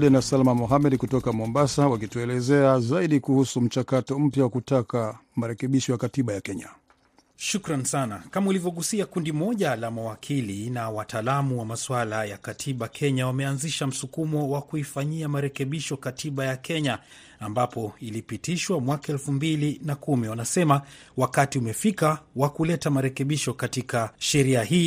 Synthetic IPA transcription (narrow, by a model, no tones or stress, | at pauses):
ɗɛnasalmamɔɦamɛɗkutɔkamɔmbasawakituɛlɛzɛazaiɗikuhusum̩t͡ʃakatɔm̩pjawakutakamaɾɛkɛɓiʃɔjakatiɓajakɛɲa | ʃukɾansanakamaulivjɔɠusiakundimɔʄalamawakʰilinawatʰaːlamuwamaswalajakatʰiɓakʰɛɲawamɛanziʃam̩sukumɔwakuifaɲiamaɾɛkɛɓiʃɔkatʰiɓajakʰɛɲaː | mbapɔilipitiʃwamwakaɛlfumbilinakumiwanasɛma | wakatiumɛfikawakulɛtamaɾɛkɛɓiʃɔkatikaʃɛɾiaɦiː